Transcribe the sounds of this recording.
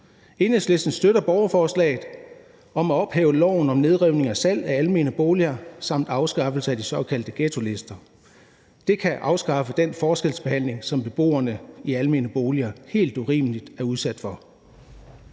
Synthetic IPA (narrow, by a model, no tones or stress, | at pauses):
e̝nesle̝sd̥n̩sd̥øɾɐb̥ɒʊɐfɒːslɛ̰ːɪð̩ˠ | ɒ̽mæɒ̽b̥hɛ̰ːʊəlɒ̰ʊ̰n̩ɒ̽mne̝ð̞ˠʁɛʊne̝ŋæsæl̰æælme̝ːnəb̥o̝ːliɐsɑ̈m̰d̥ɑ̈ʊsɡ̥ɑ̈fl̩səæd̥isɒ̽kʰæl̰d̥əɡ̥et͡sʰo̝le̝sd̥ɐ | d̥e̝kʰæʔɑ̈ʊsɡ̥ɑ̈fəd̥enfɒːsɡ̥el̰sb̥e̝hæn̰le̝ŋsɒ̽mb̥e̝b̥o̝̰ːɐnəiælme̝ːnəb̥o̝ːliɐhe̝̰ːld̥uʁḭːməlid̥æɐuð̞ˠsæd̥fɒ̽